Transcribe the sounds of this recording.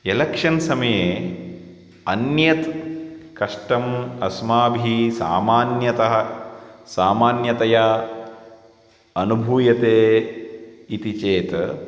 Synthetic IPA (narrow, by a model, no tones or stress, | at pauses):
elɐkʂɐnsɐmɐjeː | ɐnjɐt̪kɐʂʈɐmɐsmaːbʱisa̰ːmaːnjɐt̪ɐɦɐsaːmaːnjɐt̪ɐja | ɐnubʱuːjɐt̪eː | it̪it͡ʃeːt̪